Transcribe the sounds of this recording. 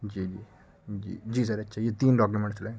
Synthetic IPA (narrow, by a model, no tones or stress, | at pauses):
d͡ʒiːd͡ʒiː | d͡ʒḭːd͡ʒiːs̬ɐɾɐtːʃʰajet̪iːnɖɔːk̬jumẽɳʈslã